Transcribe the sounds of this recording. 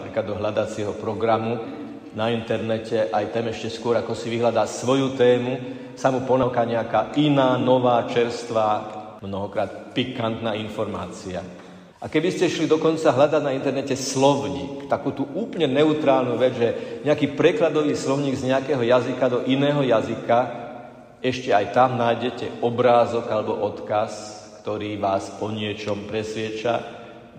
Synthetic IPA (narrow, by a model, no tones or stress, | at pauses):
pɾiːklad̪ɔɦʎad̪at͡sɪɛɦɔpɾɔɡɾamu | naint̪ɛɾnɛcɛʔajt̪ɛmɛʃcɛskʊɔɾakɔsiʋiɦʎad̪aːsʋɔjut̪ɛːmu | samupɔnakaːɲɛakaːʔinaːnɔʋaːt͡ʃɛɾst̪ʋa | mnɔɦɔkɾaːt̪̚pikant̪naːinfɔɾma̰ːt͡sia̰ | ʔakɛbiscɛʃlid̪ɔkɔnt͡saɦʎad̪aɟnaint̪ɛɾnɛcɛslɔʊɲḭːkt̪akuːt̪uːʔuːplɲɛnɛut̪ɾaːlnuʋɛd͡zʒɛɲɛakiːpɾɛklad̪ɔʋiːslɔʊɲiːɡzɲɛakɛːɦɔjazikad̪ɔʔinɛːɦɔjazika | ɛʃcɛajt̪amnajɟɛcɛɔbɾaːzɔkalɛbɔʔɔt̪kas | kt̪ɔɾiːʋaːsɔɲɪɛt͡ʃɔmpɾɛsʋɪɛt͡ʃa̰